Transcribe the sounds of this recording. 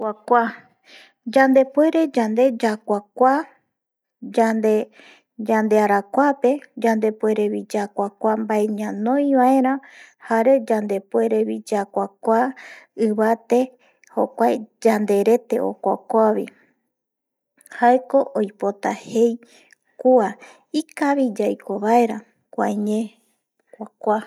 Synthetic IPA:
akʷa | d͡ʒand̪e̞pwe̞ɾe̞d͡ʒand̪e̞d͡ʒakʷakʷa | d͡ʒad̪e | d͡ʒand̪e̞aɾakʷape̞d͡ʒand̪e̞pwe̞ɾe̞βid͡ʒakʷakʷambaeɲãnõ̞j̃βaeɾ̃ãhaɾe̞d͡ʒand̪e̞pwe̞ɾe̞βid͡ʒakʷakʷaɨβat̪e̞ | ho̞̰kʷaed͡ʒand̪e̞ɾe̞t̪e̞̰ʔo̰kʷa̰kʷaβi | haeko̞ʔojpo̞t̪ahe̞j | kua | ikaβid͡ʒajkʰo̞βae̞ɾã | kʷãɲẽ | kʷakʷa

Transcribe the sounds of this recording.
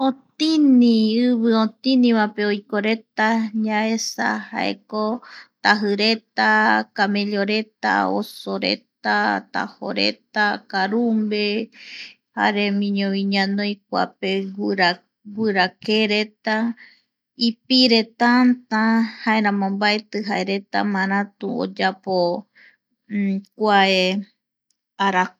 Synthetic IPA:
õt̪inĩɨβɨõt̪ĩnĩβapeojkoɾe̞t̪aɲaesa̰ha̰ḛkot̪aɦɨɾet̪akamẽʎoɾet̪a̰o̰soɾḛt̪at̪a̰ho̰ɾḛt̪akaɾumbe | ha̰ɾemĩɲõβĩɲãnõjk̚ʷa̰peɾa | ɡʷɨɾakeɾe̞t̪a | ipiɾe̞t̪ant̪ãhaeɾãmõmbaet̪ɨɦaeɾe̞t̪a̰mãɾãt̪uo̰d͡ʒapo | kʷae | aɾa

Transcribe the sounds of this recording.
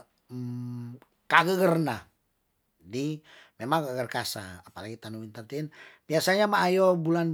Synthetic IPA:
kaɡəɡərna | di | memaŋkəɡərkasa̰apalaɡit̪anuwint̪at̪inbiasaɲamaːjɔbulan

